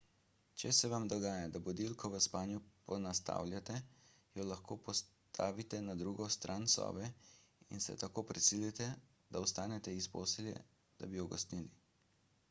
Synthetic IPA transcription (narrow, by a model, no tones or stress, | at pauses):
t͡ʃɛsɛʋamd̪ɔɡaːjad̪abɔd̪ilkɔʋəspaːnjupɔnast̪a̰ːwlʲjat̪ɛ | jɔlaxkʰoːpɔs | t̪ʰaːʋit̪ɛnad̪ɾuːɡɔst̪ɾʔaːnsɔ̰ːbɛḭnsɛ̰t̪akoːpɾɛsiːlit̪ɛ | d̪aɔst̪aːnɛt̪ɛispoːsiljɛ̰ | d̪̥a̰bijɔɡɔst̪niːli